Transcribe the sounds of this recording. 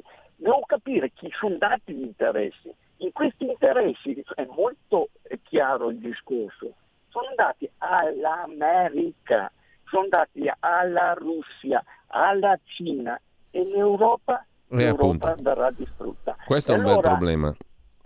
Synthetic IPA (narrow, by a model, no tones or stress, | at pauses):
d̪ɛvokapiːɾek̟isond̪aːt̪iʎint̪eɾɛ̰sːḭ | iŋkwest̪iːnt̪eɾɛsːiɛmːolt̪okʰjaːɾoild̪iskorso | soːnd̪aːt̪ialːamɛːɾika̰ | sond̪aːt̪ialːaɾusːia̰a̰lːat͡ʃiːna | elewɾɔːpa | ewɾɔːpad̪aɾad̪ist̪ɾṵt̪ːakwest̪oɛalːbɛloːɾaɾblɛːma̰